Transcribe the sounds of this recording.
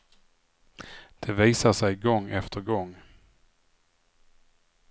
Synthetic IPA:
d̪̥ɛviːsaʂɛjɡɔŋːɛft̪ʰəɾɡɔŋː

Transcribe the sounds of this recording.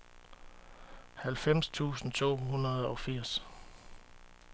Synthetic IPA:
hælfem̰st͡sʰṵːsn̩t͡sʰo̝̰ːɦunɐð̞ˠɒ̽fiɐ̰s

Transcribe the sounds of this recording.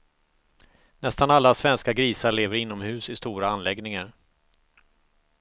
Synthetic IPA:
nɛst̪analːasvɛnskaɡɾiːsaɭeːvəɾɪnːɔmhʉ̟ːsɪst̪uːɾaanlɛɡnɪŋaɾ

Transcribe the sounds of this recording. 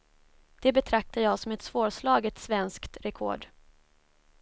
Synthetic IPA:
d̪̥ɛbɛt̪ʰɾak̚t̪ajɑːsɔmɛt̪svoːɾʂlɑːɡət̪svɛnskt̪ɾɛkʰo̰ːɖ

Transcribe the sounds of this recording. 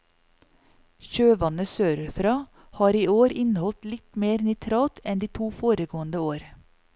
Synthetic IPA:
çøːʋɑnəsøːɾʉfɾɑ | hɑːɾiːoːɾɪnəhɔlt̪lɪt̪meːɾnɛt̪ʰɾɑːt̪ɛnd̪iːt̪ʰuːfoːɾəɡoːənd̪əoːɾ

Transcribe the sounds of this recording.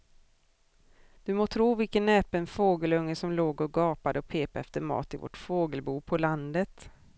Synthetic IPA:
d̪̥ɵmoːt̪ʰɾuːvɪlkənːɛːpənfoːɡəlɵŋːəsɔmloːɡɔɡɑːpad̪əɔpʰeːpaɛft̪əɾmɑ̰ːt̪ɪvɔ̰ʈfoːɡəlbuːpʰɔland̪ət̪

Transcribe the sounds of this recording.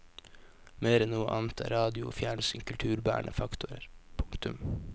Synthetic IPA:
meːɾɛnnuːəʔɑːnt̪æ̰ːɾɑːd̪ɪʊo̰ːfjæːɳsɪŋkʰʉlt̪ʰʉːɾbæ̰ːɳʔəfɑkt̪ʊɾəɾpʰʊŋkt̪ʉm

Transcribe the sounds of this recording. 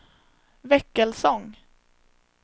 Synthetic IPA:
vɛkːəlsɔŋ

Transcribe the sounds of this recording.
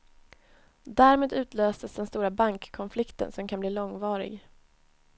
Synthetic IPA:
d̪æːɾmeːd̪ʉ̟ːt̪ʰløːsəsd̪ɛnst̪uːɾabaŋkʰːɔnflɪkt̪ə̰nsɔmkʰanbliːlɔŋvɑːɾɪ̰ɡ

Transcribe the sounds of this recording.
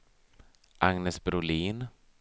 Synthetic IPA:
ʔaŋnɛsbɾʊliːn

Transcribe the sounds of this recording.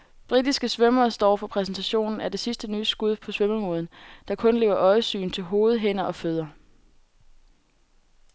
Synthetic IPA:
b̥ʁid̥isɡ̥əsʋœmɐːsd̥ɒ̰ːfɒ̽pʰʁɛs̬n̩t͡sʰæɕo̝̰ːnn̩æɐd̥e̝sisd̥ənyːsɡ̥uð̞ˠpʰɒ̽sʋœməmoðˠn̩d̥ɑ̈kʰɔ̽nle̝ːʊ̰ɐʔɒ̽ɪsy̰ːnt͡sʰe̝lɦo̝ːð̞̩ˠɦen̰ɐʔɒ̽føð̞̰ˠɐ

